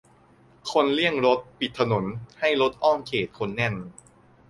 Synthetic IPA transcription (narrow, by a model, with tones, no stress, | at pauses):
kʰo˧nli˥˩əŋɾo˦˥t̪̚pi˨˩t̪ʰːa˧no˩˦nha˥˩jɾo˦˥t̪̚ʔɔː˥˩mkʰeː˨˩t̪̚kʰo˧nːɛ˧˩n